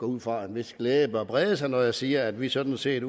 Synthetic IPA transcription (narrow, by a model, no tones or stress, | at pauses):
ɡ̥ɒuð̰ˠfʁɑ̈e̝nʋe̝sɡ̥leːb̥əɒb̥ʁɛːðˠəsɑ̈ɪnɒjɑ̈siːɐæd̥ʋisɒ̽d̥n̩se̝ɐ̰d